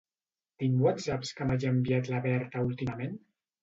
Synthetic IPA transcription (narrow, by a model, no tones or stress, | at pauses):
t̪iŋwat̪zapskamaʒəmbiat̪laβɛɾt̪aulˠt̪iməmen